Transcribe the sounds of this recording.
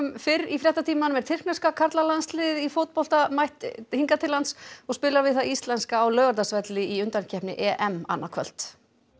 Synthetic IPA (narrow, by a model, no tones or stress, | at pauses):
mfɪɾifɾjɛht̪at̪ʰiːmanmɛɾ̥t̪ʰɪr̥knɛskakʰaɾt̪lalanslɪðifowt̪̚pɔl̥t̪amajht̪hiŋkat̪ʰɪlːansɔɣspɪːlaɾvɪðθaist̪lɛnskaːwlœːɣaɾt̪asvɛt̪lɪiʏnt̪ancʰɛhpnɪ̰ʔɛʔɛma̰nːakʰvœ̰l̥t̪